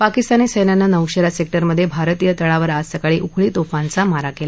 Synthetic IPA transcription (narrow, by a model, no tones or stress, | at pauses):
pakist̪aniːsəjnanːanəwɕəɾasek̚ʈəɾməd̪ʱːjebʱaɾt̪ijət̪əɭaʋəɾassəkaɭiːʔukʰɭiːt̪ofant͡samaɾakela